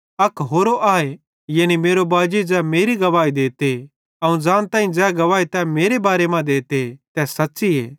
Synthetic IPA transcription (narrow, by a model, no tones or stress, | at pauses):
ɐkʰɦoːɾoʔaːe | jeːnimeːɾobaːd͡ʒid͡zɛːmeːɾiɡɐʋaːid̪eːt̪e | ɐũd͡zãːnt̪aːĩd͡zɛːɡɐʋaːit̪ɛmeːɾebaːɾemãd̪eːt̪et̪ɛsɐtːʃiḛː